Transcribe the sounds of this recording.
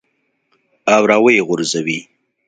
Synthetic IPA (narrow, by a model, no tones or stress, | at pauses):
awɾawəjɣʊɾzawi